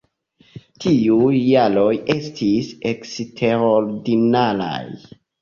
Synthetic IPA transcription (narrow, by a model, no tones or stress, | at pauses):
tʰiujjalo̞jestʰise̞kstʰe̞ɾoɾdinala̰j